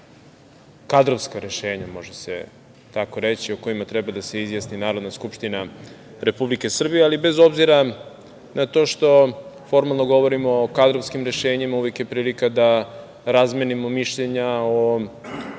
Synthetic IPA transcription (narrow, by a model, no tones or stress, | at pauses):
kad̪ɾovskaɾe̞ʃeːɲamo̞ʒesḛ | t̪ako̞ɾet͡ɕioko̞imat̪ɾɛbad̪ase̞izjasninaːɾod̪naskupʃt̪inaɾe̞publike̞sr̩bijealibe̞zo̞bziɾa | nʔat̪o̞ːʃt̪o̞fo̞ɾmalˠnoɡo̞ʋo̞ɾimo̞ːkad̪ɾovskimɾe̞ʃeːɲimauʋekjepɾiːlikad̪a | ɾazmenimo̞miʃʎeɲao